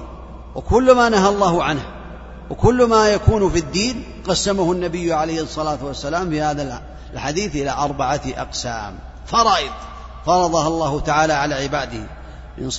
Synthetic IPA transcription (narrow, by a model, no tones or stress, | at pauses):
wɪkʊlːmanaɦalˤːɑːhʊʕanh | wɪkʊlːmaːjakuːnfid̪ːiːn | qɑsːamahʊnːabɪjːʕalajhɨsˤːɑlaːt̪wasːalaːmfihaːðal | lħad̪iːθʔɪlaʔɑɾˤbaʕaʔɑ̰qsa̰ːm | fɑɾˤɑːʔɪd̪̚ˤ | fɑɾˤɑðˤɑhɑlˤːɑːhʊt̪aʕaːlaʕalaʕɪbaːd̪ɪhɪ | mɪ̰n